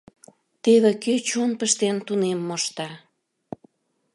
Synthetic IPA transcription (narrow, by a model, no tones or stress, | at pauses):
t̪eβekøt͡ɕunpəʃt̪ent̪unemːoʃt̪ɑ